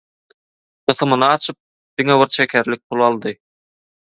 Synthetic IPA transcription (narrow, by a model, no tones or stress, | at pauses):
qɯ̆θɯmɯnɑːt͡ʃʰɯp̚ | d̪̥iŋeβiɾt͡ʃʰekʰʲæɾlʲik̚pʰulˠɑlˠd̪ɯ